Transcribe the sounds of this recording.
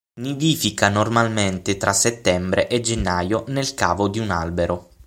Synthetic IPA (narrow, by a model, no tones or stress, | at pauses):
niviːfikanormalment̪ɪt̪ɾʔasːet̪ːɛmbɾeʔed͡ʒenːaːjonelkaːvod̪iunalbeɾʔo